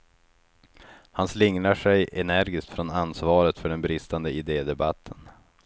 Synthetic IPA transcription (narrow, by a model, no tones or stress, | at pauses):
hanslɪŋnaʂɛjʔɛnæɾɡɪskt̪fɾɔnansvɑːɾət̪fœɖɛnbɾɪst̪and̪əɪd̪eːd̪ɛba̰t̪ʰːən